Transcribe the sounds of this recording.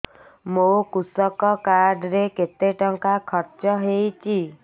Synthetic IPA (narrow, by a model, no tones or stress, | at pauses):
mokusɔkɔkaɾɖɾeket̪eʈɔŋkakʰɔɾt͡ʃɔɦejt͡ʃʰi